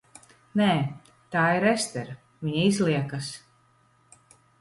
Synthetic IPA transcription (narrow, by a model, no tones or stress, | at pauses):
nɛː | t̪aːiɾɛst̪ɛɾ | viɲaizlˠiɛkas